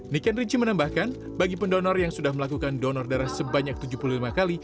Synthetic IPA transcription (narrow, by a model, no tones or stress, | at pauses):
nikanrid͡ʒimənambahkan | baɡipəndɔnɔrjaŋsudahməlakukandɔnɔrdaɾahsəbaɲak̚t̪ud͡ʒupululimakali